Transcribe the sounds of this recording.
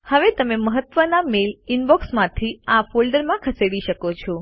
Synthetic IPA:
həʋet̪əmeməɦət̪ʋənamelɪnbɔksmãt̪ʰiafolɖəɾmãkʰəseɽiʃəkot͡ʃʰɔ

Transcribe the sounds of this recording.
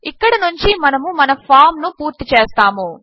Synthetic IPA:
ikːɐɽɐnuɲt͡ʃimɐnɐmumɐnɐpʰaːɾmnupuːɾt̪it͡ʃeːst̪aːmu

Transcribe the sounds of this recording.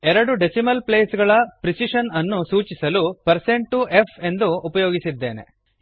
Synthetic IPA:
ɛɾɐɽuɖesimɐlpleːsɡɐɭɐpɾisiʂɐnɐnːusuːt͡ʃisɐlupɐɾse̞ɳʈuʔe̞fʰe̞nd̪uːpɐjoːɡisid̪ːeːne̞̰

